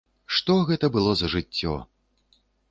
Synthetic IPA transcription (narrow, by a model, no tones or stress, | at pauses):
ʂt̪ɔɣɛt̪ɐbɨlˠɔzɐʐɨt͡sʲːɔ̰